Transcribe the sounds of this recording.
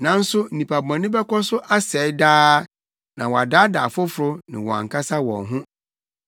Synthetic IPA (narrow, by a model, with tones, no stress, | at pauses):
nã˨n̩˦sʊ˦n̩˦˨ĩ˨pʰa˨bã˨nɪ̃˦bɛ˦kɔ˦sʊ˦ʔa˦sɛ˨˦daː˦ | nã˨wɔ˨a˨da˦da̰˨fʊ˦fʊ˨ɾʊ˦nɪ̰̃˨wɔ˨a̰˨ŋ̩˨kʰa˦sa˦wɔ̰̃˨nɦʊ̃˦